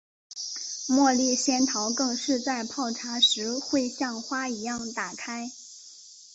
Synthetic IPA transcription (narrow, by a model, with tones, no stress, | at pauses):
mwɔ˥˧li˥˩ɕjɛ˥nt̪ʰɑ˧˥ʊkɤ˥˧ŋʂɻ̩˥˧t͡sa˥˧ɪpʰɑ˥˩ʊʈ͡ʂʰa˧˥ʂɻ̩˧˥xwe˥˧ɪɕjɑ˥˩ŋxwa˥i˧˥jɑ˥˩ŋt̪a˨˩kʰa˥ɪ